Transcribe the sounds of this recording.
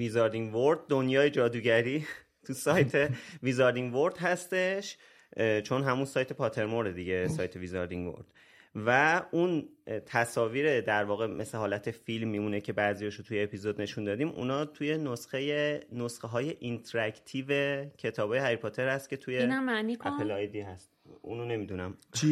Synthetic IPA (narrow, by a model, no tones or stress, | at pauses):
vizɒɾd̪iŋvoɾd̪̚ːonjɒːje̞d͡ʒɒːd̪uːɟæɾiː | t̪ʰusɒːjt̪ʰevizɑɾd̪iŋvo̞ɾd̪̥ɦæst̪e̞ʃ | t͡ʃʰo̞nɦæmunsɒːjt̪ʰe̞pʰɒt̪ʰe̞ɾmoɾd̪ed̪iɟe̞sɒːjt̪ʰe̞vizɒɾd̪iŋɡvo̰ɾd̪̥ | væunt̪ʰæsɒːviːɾe̞d̪æɾvɒːɣe̞mʔe̞sleɦɒːlæt̪ʰe̞filmːiːmune̞cʰe̞bæːzijɒːʃot̪ʰuje̞ːpizod̪ne̞ʃund̪ɒːd̪iːmʔṵnɒːt̪ʰuje̞nosχe̞je̞nosχeɦɒːje̞ʔint̪ʰɾækt̪ʰiːve̞cʰe̞t̪ʰɒːbɒːjeɦæɾipʰot̪ʰe̞ɾhæst̪̚cʰe̞t̪ʰujenæmːænikæpelɒjd̪ihæst̪̚ṵnone̞mid̪unæmt͡ʃʰi